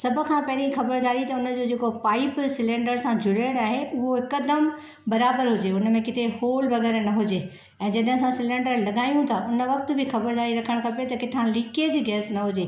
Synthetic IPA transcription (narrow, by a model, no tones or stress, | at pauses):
sɐbʱʊ̆kʰãpɐɦɪɾixɐbəɾd̪aːɾit̪ɐʊnə̆d͡ʑoːd͡ʑeːkopaːipsɪlẽːɳɖəɾsãd͡ʑʱʊleːɽaːɦeʊɦoɦɪkəd̪əm | bɐɾaːbəɾɦʊd͡ʑeʊnə̆mẽkɪt̪ehoːlbɐɣɛːɾnɐɦʊd͡ʑeː | ɛ̃ːd͡ʑɐɗɦɪ̃sãsɪlẽːɳɖəɾlɐɠaːjũt̪ʰaʔʊnə̆ʋɐk̚t̪ʊbʱɪxɐbəɾd̪aːɾiɾɐkʰəɽ̃kɐpet̪ɐkɪʈ̪ʰãlɪked͡ʑiːɡɛːsnɐɦʊd͡ʑeː